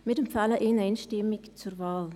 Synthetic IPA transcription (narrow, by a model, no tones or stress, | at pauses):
mɪtəmfɛləʔeːnɛɪnʃtɪmɪkt͡survɑːl